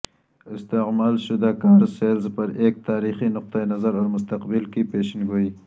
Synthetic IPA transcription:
ɪst̪ɪɣmalʃʊd̪akɑːɾselzpəɾek̚t̪ɑːɾixinʊq̚t̪ajnazaɾaɾmʊst̪aqbɪlkipeʃɪnɡoi

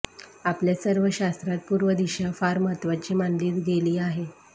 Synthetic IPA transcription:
apljasəɾʋəɕast̪ɾat̪̚puɾʋəd̪iɕafaɾmət̪ʋat͡ɕiːmanliːt̪ɡeliːaɦe

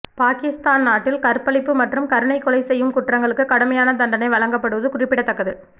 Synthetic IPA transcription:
paːkɪst̪aːnnaːʈːɪlkɐɾpɐɭɪpːɯmɐʈrɯmkɐɾɯɳɐɪkːɔlɐɪsɛjːɯmkʊʈːrɐŋɡɐɭɯkːɯkɐɽɐmɐjaːnɐt̪ɐɳɖɐnɐɪʋɐɭɐŋɡɐpːɐɽɯʋɐðɯkʊrɪpːɪɽɐt̪ːɐkːɐðɯ

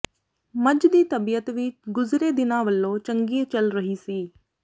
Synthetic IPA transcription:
məd͡ʒd̪iːt̪əbijət̪ʋɪt͡ʃɡʊzɾeːd̪ɪnãːʋəlːõːt͡ʃəŋɡiːt͡ʃəlɾəɦiːsiː

